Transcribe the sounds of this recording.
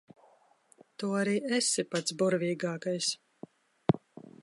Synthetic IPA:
t̪uːaɾiːɛsʲipat̪sbuɾvʲiːɡɑːkajs

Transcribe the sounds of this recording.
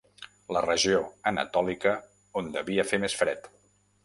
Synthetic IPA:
lərəʒioənə̰t̪ɔlikə | ond̪əβiəfemesfɾɛt̪

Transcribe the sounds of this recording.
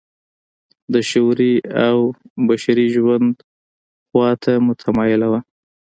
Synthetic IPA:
d̪əʃoɾiawbaʃaɾiʒwand̪ | xwɑt̪ʰamʊt̪ʰamɑjɪlawa

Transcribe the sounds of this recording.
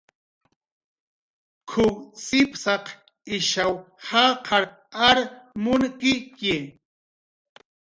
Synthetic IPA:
kʰʊksɪpsɑq | ɪʃawhɑqʰɑɾ | aɾmʊnkɪke

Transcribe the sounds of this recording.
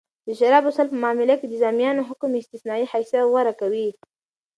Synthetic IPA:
d̪əʃaɾɑbʊsalpəmɑmɪlaked̪əzamijɑnoɦʊkmɪst̪ɪsnɑiħajsjawaɾakawi

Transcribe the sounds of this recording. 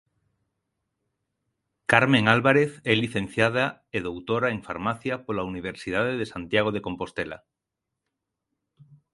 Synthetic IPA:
kaɾmẽŋalβaɾe̞θeliθẽ̞nθjað̞aeðowt̪oɾaeɱfa̰ɾmaθjapolauniβ̞eɾsið̞aðeðesant̪jaɣ̞oð̞eko̞mpo̞st̪ela̰

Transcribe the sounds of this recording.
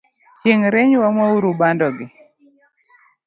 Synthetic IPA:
t͡ʃeŋɾeɲwamwauɾubandɔɡɪ

